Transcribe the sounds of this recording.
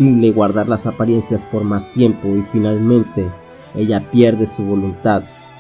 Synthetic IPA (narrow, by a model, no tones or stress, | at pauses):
iβleɣwaɾðaɾlasapaɾje̞nsjaspoɾmast̪je̞mpoifinalmẽnt̪e | eʝapjeɾðesuβo̞lunt̪að